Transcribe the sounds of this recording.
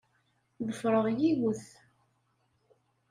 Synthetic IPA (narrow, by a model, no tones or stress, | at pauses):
ðəfɾˤəʁjiɣʊθ